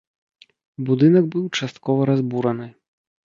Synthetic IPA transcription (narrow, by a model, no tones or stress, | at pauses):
bud̪ɨnɐɡbɨwt͡ʂast̪kɔvɐɾazbuɾɐnɨ